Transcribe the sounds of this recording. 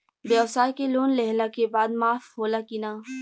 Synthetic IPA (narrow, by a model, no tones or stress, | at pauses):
beəwsaːkeloːnlɛɦlakebaːd̪maːfɦoːlakinaː